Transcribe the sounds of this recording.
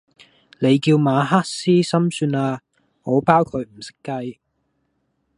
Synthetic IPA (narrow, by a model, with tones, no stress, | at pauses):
le˨˧jkiː˧wmaː˨˧ɦaː˥t̚siː˥sɐ˥msyː˧naː˧ | ŋɔː˨˧paː˥wkʰɵ˨˧ɥm̩˨˩sɪ̥˥kːɐ˧j